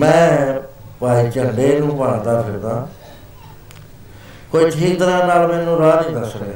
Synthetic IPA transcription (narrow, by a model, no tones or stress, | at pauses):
mɛ̃ː | paːiːt͡ʃəɳɖeːnũːpəɳd̪aːpʰɪɾd̪ãː | kot͡ʃʰĩːt̪əɾãːnaːlmɛːnũːɾaːnĩːkəɾsəkɛː